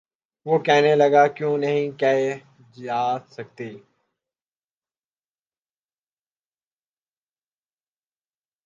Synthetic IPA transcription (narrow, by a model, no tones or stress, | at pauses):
ʋoːkɛɦneləɡaːkjũːnəɦĩkɛe | d͡ʒaːd̪sək̚t̪iː